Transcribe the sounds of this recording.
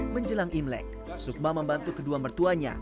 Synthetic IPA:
məɲd͡ʒəlaŋʔimlɛ̰k̚ | suk̚maməmbant̪ukəduambərt̪uaɲa̰

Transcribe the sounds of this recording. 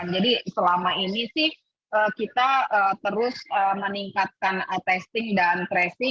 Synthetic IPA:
nd͡ʒadisəlamainisɪh | ʔəːkit̪aət̪əɾʊsəːməniŋkat̪̚kanət̪ɛst̪ɪŋdanpɾɛsɪ

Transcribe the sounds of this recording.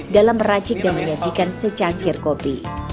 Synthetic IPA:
dalamrat͡ʃɪk̚danməɲad͡ʒikansət͡ʃaŋkɪrkopḭ

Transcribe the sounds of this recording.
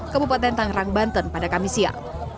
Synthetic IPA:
kəbupat̪ɛnt̪aŋraŋbant̪ənpadakamisia̰

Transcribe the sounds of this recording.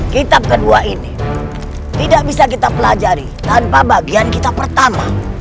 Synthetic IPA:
kit̪ap̚kəduaini | t̪idak̚bisakit̪apəlad͡ʒaɾit̪anpabaɡiankit̪apərt̪ama̰

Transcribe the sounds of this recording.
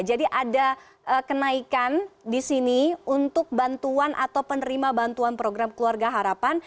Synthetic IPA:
d͡ʒadiʔada | ʔəkənaikandisiniunt̪ʊk̚bant̪uanʔa̰t̪awpənəɾimabant̪uanpɾoɡɾamkəluarɡaɦaɾapan

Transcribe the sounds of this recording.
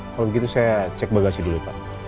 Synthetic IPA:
kalɔbəɡit̪usajat͡ʃɛk̚baɡasidulipa̰ʔ

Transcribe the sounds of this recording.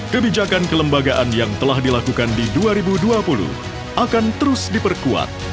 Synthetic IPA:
kəbid͡ʒakankələmbaɡaʔanjaŋt̪əlahdilakukandiduaɾibuduapulṵh | ʔakant̪əɾʊsdipərkua̰t̪̚

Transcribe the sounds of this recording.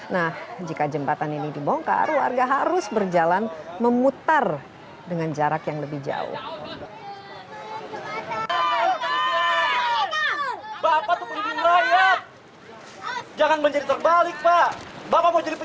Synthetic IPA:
nahd͡ʒikad͡ʒəmbat̪aninidibɔŋka̰rwa̰rɡaɦaɾʊsbərd͡ʒalanməmut̪ar | dəŋand͡ʒaɾakjaŋləbɪhd͡ʒa̰ʊ̰h | a | bapat̪upənidiməɾajat̪̚ | d͡ʒaŋanməɲd͡ʒaɾit̪ərbalɪk̚pabapamod͡ʒaɾip

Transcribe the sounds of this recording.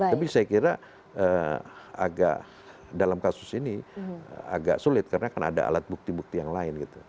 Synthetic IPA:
aap̬isajakiɾa | ə | a̰ɡa̰ʔ | dalamkasʊsinḭ | a̰ɡa̰ʔsulɪt̪̚karənakana̰da̰a̰lat̪̚buk̚t̪ibuk̚t̪ijaŋlaɪnɡit̪u

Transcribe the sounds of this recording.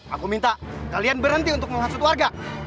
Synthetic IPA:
a̰kumint̪akalianbərɦənt̪iunt̪ʊk̚məmasʊt̪warɡa

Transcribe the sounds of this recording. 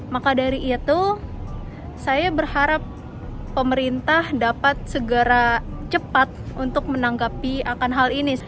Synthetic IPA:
makadaɾiʔːt̪u | sajabərhaɾapː | əməɾint̪ahdapat̪̚səɡəɾat͡ʃəpat̪̚unt̪ʊk̚mənaŋɡapiakanɦalini

